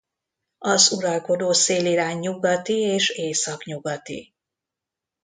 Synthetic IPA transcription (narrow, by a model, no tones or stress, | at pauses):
ɒzuɾɒlko̞d̪oːseːliɾaːɲːuɡɒt̪ieːʃeːsɒkɲuɡɒt̪ḭ